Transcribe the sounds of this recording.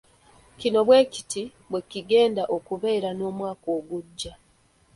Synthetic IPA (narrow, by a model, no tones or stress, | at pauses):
cino̞βwe̞ːci̥ti | βwe̞ciɡe̞ːndaʔo̞kuβe̞ːɾano̞ːmwaːko̞ːɡuɟːa